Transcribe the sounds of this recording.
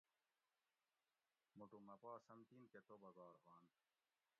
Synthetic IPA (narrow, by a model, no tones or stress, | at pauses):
muʈumɐpaːsɐmt̪inket̪obɐɡɑːɾhaːn